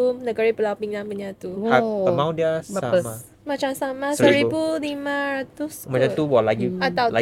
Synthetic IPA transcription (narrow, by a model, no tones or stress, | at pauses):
unəɡaɾipəlapiŋlapəɲat̪uhaəmãwdiasama | mat͡ʃamsamasəɾibulimãɾat̪usmat͡ʃamt̪uwɔlakiat̪awla